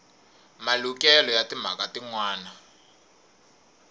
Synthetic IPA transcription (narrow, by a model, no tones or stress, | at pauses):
malukɛlɔjatim̤a̰katiŋwaːna